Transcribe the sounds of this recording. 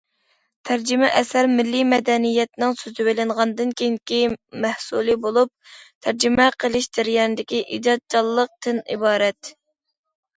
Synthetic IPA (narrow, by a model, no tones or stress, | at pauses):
t̪ʰæɾd͡ʒɪmɛʔɛsæɾmɪlːimɛd̪ɛnijɛt̪nɪŋsøzɪwelɪɴʁɑnd̪ɨnkʲʰeŋkʲimæhsulˠɨbolˠup̚t̪ʰæɾd͡ʒimɛqʰəlˠɪʃd̪ɪɾjɛnɪd̪ɪkʲiʔḭd͡ʒɑt̪̚t͡ʃʰɑlˠːəq̚t̪ɨnḭbɑːɾɛt̪